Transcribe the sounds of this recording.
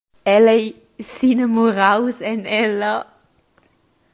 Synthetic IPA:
ɛlɛj | siːnəmuʁawsɛnɛlɐ

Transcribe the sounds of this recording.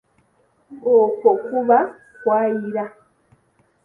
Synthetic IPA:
okokuβa | kwaːjiɾa

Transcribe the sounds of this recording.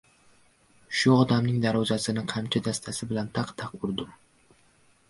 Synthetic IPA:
ʃʊɒd̪amnɪŋd̪aɾɒzasɪnɪqʰɑmt͡ʃʰad̪ast̪ʰasɪbɪlant̪ʰɑqt̪ʰɑqʊɾd̪ɪm

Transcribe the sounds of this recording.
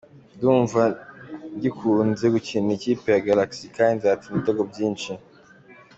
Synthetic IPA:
duːɱvandikʰunzekucinicipeaɡalaksikainzatimiteɡob̚ɟiːnt͡ʃi

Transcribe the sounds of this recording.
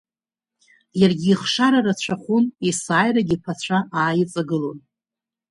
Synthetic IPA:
jarɡʲiːχʂaɾarat͡ɕʷʰaχʷunisaːjraɡʲipʰat͡ɕʷʰaʔaːjɪt͡sʼaɡɨlo̞n

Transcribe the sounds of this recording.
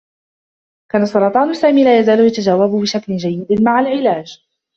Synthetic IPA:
kaːnasˤːɑɾˤɑːt̪ˤɑːnsaːmiːlaːjazaːlʊjat̪ad͡ʒaːwabbɪʃaklɪd͡ʒajːɪd̪maʕalʕɪlaːd͡ʒ

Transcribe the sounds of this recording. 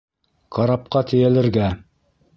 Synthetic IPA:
qɑɾɑp̚qɑt̪ɘ̆jælɘ̆ɾɡæ

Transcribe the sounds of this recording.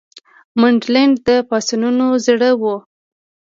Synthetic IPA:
maɳɖlaɳɖd̪əpɑsununozɽəwo

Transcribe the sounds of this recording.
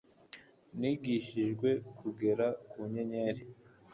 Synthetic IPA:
niɡiʃiʒɡwe̞kʰuɡe̞ɾakuɲeɲeɾi

